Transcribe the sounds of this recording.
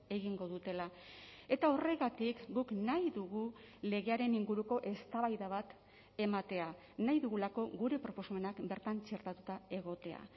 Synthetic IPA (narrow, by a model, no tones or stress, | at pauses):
e̞ɣiŋɡo̞ðut̪e̞la | e̞t̪ao̞re̞ɣat̪ikɡuknajðuɣule̞ɣe̞aɾe̞niŋɡuɾuko̞ʔe̞st̪aβajðaβat̪ | e̞mat̪e̞a | najðuɣulako̞ɣuɾe̞pɾo̞po̞same̞nakbe̞ɾt̪ant͡ʃe̞ɾt̪at̪ut̪ae̞ɣ̞o̞t̪e̞a̰